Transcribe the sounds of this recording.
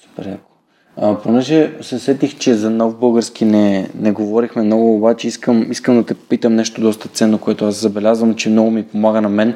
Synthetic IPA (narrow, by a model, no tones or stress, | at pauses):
pɾako̥ | əponɛʒɛsɛsɛt̪ixt͡ʃɛzɐnɔvbɤlˠɡəɾsk̟inɛnɛɡovɔɾixmɛmnɔɡʊːbat͡ʃɛiskəmiskəmd̪ɐt̪ɛpit̪əmnɛʃt̪od̪ɔst̪ət̪sɛnːokoɛt̪oaszɐbɛlʲazvəmt͡ʃɛmnɔɡomipomaɡənɐmɛn